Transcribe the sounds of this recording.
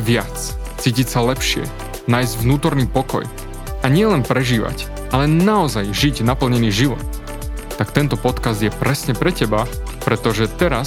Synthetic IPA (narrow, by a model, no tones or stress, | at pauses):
ʋɪat͡s | t͡siːcicsalɛpʃɪɛ̰ | naːjzɟʋnuːt̪ɔɾniːpɔkɔ̰j | aɲɪɛlɛnpɾɛʒiːʋa̰c | ʔalɛnaɔzajʒiɟnapl̩ɲɛniːʒiʋɔ̰t̪̚ | t̪ːakt̪ɛnt̪ɔpɔt̪kazd̪jɛpɾɛsɲɛpɾɛcɛba | pɾɛt̪ɔʒɛt̪ɛɾa